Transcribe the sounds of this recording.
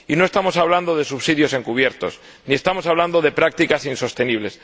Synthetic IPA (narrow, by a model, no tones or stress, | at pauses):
ino̞e̞st̪amo̞saβland̪oð̞esuβsiðjo̞se̞ŋkuβ̞jeɾt̪o̞̰s | nie̞st̪amo̞saβland̪oðe̞pɾak̚t̪ikasinsost̪e̞niβ̞le̞s